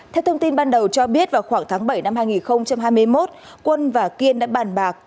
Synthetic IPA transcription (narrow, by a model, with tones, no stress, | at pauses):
t̪ʰɛ˧wt̪ʰə˧wŋ͡mt̪i˧nɓaː˧nɗə˨˩wt͡ɕɔ˧ɓi˦˥ət̚vaː˨˩wxwaː˧˩ŋt̪ʰaː˨˦ŋɓə˧˩jna˧mhaː˧jŋi˨˩nxə˧wŋ͡mt͡ɕa˧mɦaː˧jmɨ˧əjmo˦˥t̚ | kwə˧nvaː˨˩ki˧ənɗa̰ː˧˥ɓaː˨˩nɓaː˨˩k̚